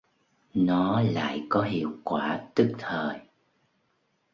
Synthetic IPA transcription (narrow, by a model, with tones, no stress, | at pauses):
nɔ˨˦la̰ː˧˨jkɔ˨˦ɦḭ˧˨əwkwaː˧˩t̪ɨ˦˥k̚t̪ʰəː˨˩j